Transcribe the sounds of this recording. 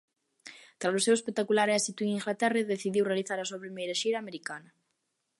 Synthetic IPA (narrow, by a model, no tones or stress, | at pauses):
t̪ɾalosewespek̚t̪akulaɾɛsit̪ueŋiŋɡlat̪ɛraðeθiðiwrealiθaɾasuɐpɾimejɾaʃiɾaːmeɾikanɐ